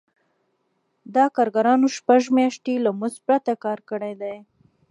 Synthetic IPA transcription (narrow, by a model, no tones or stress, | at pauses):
d̪ɑkɑɾɡaɾɑnoʃpaʒmjɑʃʈ̪elamʊzpɾat̪akɑɾkəɽajd̪aj